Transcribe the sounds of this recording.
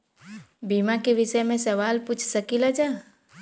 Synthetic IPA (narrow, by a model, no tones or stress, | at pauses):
biːmakeʋɪʃəjmẽsɐʋaːlput͡ʃʰsəkilad͡ʒaː